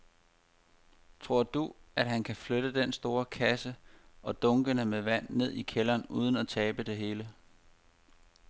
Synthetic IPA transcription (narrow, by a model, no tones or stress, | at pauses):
t͡sʰʁo̝ɐ̰d̥uʔæd̥ɦænkʰæfløɾ̥əd̥ensd̥o̝ːɐkʰæsəʔɒ̽d̥ɔ̽ŋɡ̥ənəmeʋæn̰ːe̝ð̞̰ˠikʰelɐːnuːð̞ˠn̩æt͡sʰɛːb̥əd̥e̝ɦe̝ːlə